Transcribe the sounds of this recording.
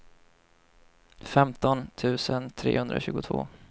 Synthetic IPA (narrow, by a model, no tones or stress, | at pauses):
fɛmt̪ɔnt̪ʰʉ̟ːsənt̪ʰɾḛːhɵnd̪ɾaɕʉ̟ːɡʊt̪ʰvo̰ː